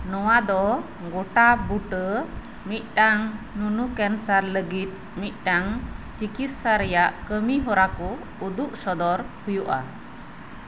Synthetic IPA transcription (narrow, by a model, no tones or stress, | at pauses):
nɔwad̪ɔ | ɡoʈabuʈə | mit̪̚ˀʈaŋnunukɛnsaɾləɡit̪̚ | mit̪̚ˀʈaŋt͡ʃikit̪saɾɛjaʔkəmiɦɔɾakɔ | ud̪uʔsɔd̪ɔɾhujuʔa̰